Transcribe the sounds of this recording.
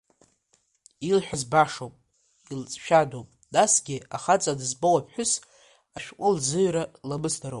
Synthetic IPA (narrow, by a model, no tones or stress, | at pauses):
ilħʷᶣazbaʂowpʼ | ilt͡sʼʃᶣadowpʼ | dasɡʲɪaχat͡sʼadɨzbowapʰħʷᶣʊs | aʃᶣkʷʼʊlzɨɥɾalamɨsdaɾo